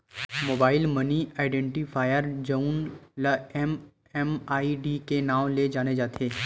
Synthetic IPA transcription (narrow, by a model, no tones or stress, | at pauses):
moːbaːɪlməniaːɪɖɛ̃ːɳʈipʰaːjəɾd͡ʒɐunləɛm | ɛmaːiɖikenaːled͡ʒaːned͡ʒaːt̪ʰeː